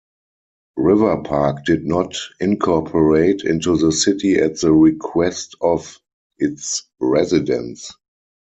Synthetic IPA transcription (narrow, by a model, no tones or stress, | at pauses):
ɹɪvə˞pʰakd̥ɪdnɔtɪ̃nkʰɔpʰəɹeɪtʰɪ̰̃ntuðəsɪtiætðəɹikʰwɛstɔf | ɪts | ɹɛzɪdə̰̃ns